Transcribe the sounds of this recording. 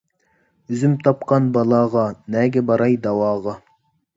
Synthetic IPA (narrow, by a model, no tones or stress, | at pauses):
yzymt̪ʰɑpqʰɑnbɑlˠɑːʁɑnɛːɡʲɛbɑɾɑjd̪ɑwɑːʁɑ